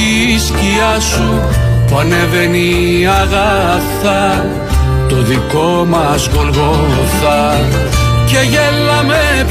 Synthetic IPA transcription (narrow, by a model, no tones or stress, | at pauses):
isciɐsu | puɐneveni | ɐɣɐ | θɐ | t̪oðiko̞mɐzɣolɣo | θɐ | ce̞ʝelːɐmep